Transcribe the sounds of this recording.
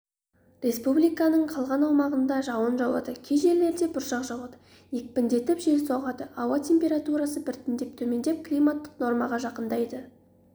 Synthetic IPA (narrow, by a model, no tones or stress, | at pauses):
rʲe̞spublijkɑnəɴqʰɑlˠʁɑnɑwmɑʁənd̪ɑʒɑwənʒɑwɑ̰d̪əkʲʰeʒeleɾd̪e̞bʊɾʃɑqʒɑwɑd̪ə | ek̚pɪnd̪e̞t̪ɪpʒe̞lsoʁɑd̪əʔɑwɑt̪ʲʰe̞mpʲe̞ɾat̪uɾɑsəbɪɾt̪ɪnd̪e̞p̚t̪ʰɵme̞nd̪e̞p̚kʰlˠijmat̪ːə̥qno̞ɾmɑʁɑʒɑqənd̪ɑjd̪ə